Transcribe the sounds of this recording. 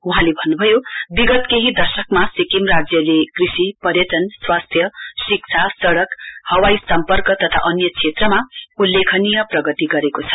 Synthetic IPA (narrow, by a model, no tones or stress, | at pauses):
uɦãlebʱʌnːubʱʌjobiɡʌt̪keɦid̪ʌrsʌkmasikimrad͡zjʌlekrisipʌrjʌt̪ʌnswast̪ʰjʌsik̚t͡sʰasʌɽʌkhʌwajsʌmpʌrkʌt̪ʌt̪ʰa̰ʔʌnjʌt͡sʰet̪rʌmaulːekʰʌnijʌprʌɡʌt̪iɡʌɾekot͡sʰʌ̥